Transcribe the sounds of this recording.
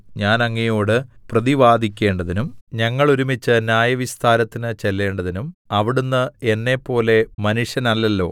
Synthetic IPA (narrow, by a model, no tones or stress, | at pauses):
ɲaːnɐŋːejo̞ːɽɨprɐðiʋaːd̪ʱikʲːe̞ːɳɖɐðinumɲɐŋːɐɭoɾumit͡ɕːɨnjaːjɐʋist̪ʰaːnɐt̪ːinɨt͡ɕe̞lːe̞ːɳɖɐðinumɐʋiɽunːɨe̞nːe̞pːo̞ːle̞mɐnuʂjɐnɐlːɐlːo̞̰ː